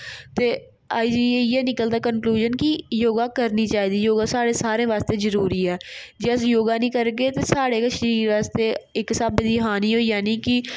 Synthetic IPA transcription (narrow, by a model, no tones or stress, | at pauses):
t̪eː | ad͡ʒiejeːnɪkəld̪aːkənkluːʒənkijoːɡaːkəɾniːt͡ʃaːɦiːd̪iːjoːɡaːsaːɽeːsaːɾẽːʋaːst̪eːzəɾuːɾiːɛːd͡ʒes̬joːɡaːnĩːkəɾɡeːt̪eːsaːɽeːkəʃniːɾʋaːst̪eːɪksaːbɪd̪iɦaːniːɦoːijaːniːkɪ